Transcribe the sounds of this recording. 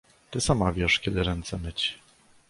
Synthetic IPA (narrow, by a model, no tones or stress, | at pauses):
t̪ɘsamavʲjɛʂkʲɛd̪ɘɾɛnt̪sɛmɘt͡ɕ